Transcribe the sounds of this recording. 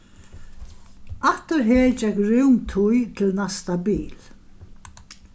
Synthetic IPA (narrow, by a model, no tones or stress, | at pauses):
aht̪ʊɾɦeːd͡ʒɛkɾʏwŋt̪ʰʊjt̪ʰɪlnast̪abḭːl